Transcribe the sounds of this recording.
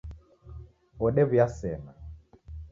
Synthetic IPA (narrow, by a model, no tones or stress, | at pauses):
ɔɗɛβujasɛna